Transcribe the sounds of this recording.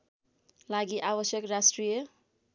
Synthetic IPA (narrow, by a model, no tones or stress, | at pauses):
laɡiʔabʌsjʌkrasʈrijʌ